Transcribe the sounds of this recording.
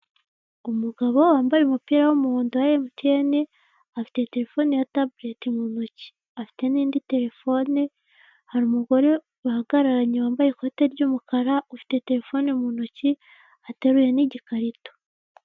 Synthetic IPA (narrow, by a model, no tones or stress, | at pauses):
umuɡaβo̞waːmbajemupiːɾawumuhuːndowajemutene | afi̥te̞te̞ɾe̞fo̞nejatabule̞timunuci̥ | afi̥te̞niːndite̞ɾe̞fo̞ne | haɾumuɡo̞ɾe̞ | wahaɡaɾaɾaɲewaːmbajeko̞te̞ɾɟuːmukaɾaufi̥te̞te̞ɾe̞fo̞nemunuci | ateɾuje̞niɟikaɾito̥